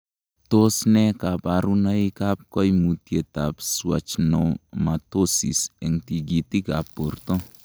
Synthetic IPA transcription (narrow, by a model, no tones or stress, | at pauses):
tosnɛkapaɾunajkap̚kɔjmutjet̪apswa̰t͡ʃnomatosisɛŋtiɡitikapːorto